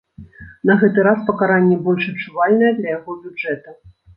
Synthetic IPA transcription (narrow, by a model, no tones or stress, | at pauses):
nɐɣɛt̪ɨɾaspɐkaɾanʲːɛbɔlʲʂɐt͡ʂuvalʲnɐjɛd̪lʲɐjaɣɔbʲud͡ʐɛt̪ɐ